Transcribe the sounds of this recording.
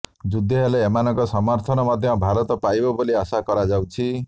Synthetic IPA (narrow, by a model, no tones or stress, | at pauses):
d͡ʒud̪ʱːeɦeleːmanɔŋkɔsɔmɔɾt̪ʰɔnɔmɔd̪ʱjɔbʱaɾɔt̪ɔpajbɔboliasakɔɾad͡ʒawt͡ʃʰi